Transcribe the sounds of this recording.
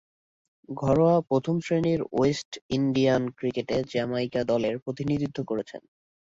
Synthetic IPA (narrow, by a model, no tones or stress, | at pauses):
ɡʱɔɾoapɾot̪ʰomsɾeniɾoesʈiɳɖiankɾikeʈed͡ʑɛmajkad̪ɔleɾpɾot̪inid̪id̪ʱːokoɾet͡ɕʰḛn